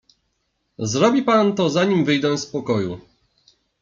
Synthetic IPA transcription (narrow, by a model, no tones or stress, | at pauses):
zɾɔbʲipant̪ɔzaɲimvɘjd̪ɛ̃spɔkɔju